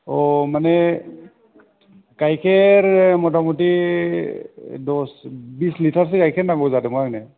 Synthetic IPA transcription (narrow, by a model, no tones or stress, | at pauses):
ɔmanɛ | kajkʰɛɹmɔtamuti | dɔsbislitʰaɹs̬ikajkʰɛnaɡɔbzadɛmɔjaknɛ